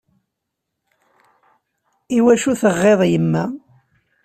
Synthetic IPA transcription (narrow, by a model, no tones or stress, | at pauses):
iwæʃuθəʁːeðˤjəmːæ